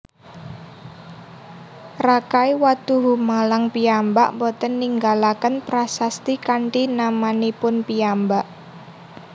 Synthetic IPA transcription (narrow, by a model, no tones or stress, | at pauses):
rakaiwat̪uɦumalaŋpiambaʔmbɔt̪ənːiŋɡalakənpɾasast̪ikaɳʈinamanipʊnpiambaʔ